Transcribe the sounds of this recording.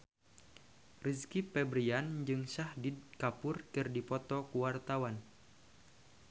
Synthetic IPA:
riskipɛbɾiand͡ʒɨŋsahdid̚kapʊrkɨrdipɔt̪ɔkuwart̪awan

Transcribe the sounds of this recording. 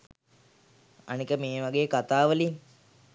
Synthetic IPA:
a̰nikəmeːʋaɡeːkat̪aːʋəlin

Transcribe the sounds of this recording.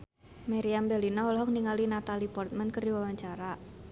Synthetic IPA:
maɾiambɛlinɔɔlɔɦɔk̚niŋalinat̪alipɔrt̪̚mənkərdiwawaɲt͡ʃaɾa

